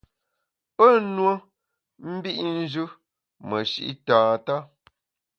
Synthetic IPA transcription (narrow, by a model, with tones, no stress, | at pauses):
pə˦˨nwə˦ | m̩˦bi˦ʔn̩˦d͡ʒʉ˦ | mə˨ʃḭ˦ʔḭ˦tãː˨ta˦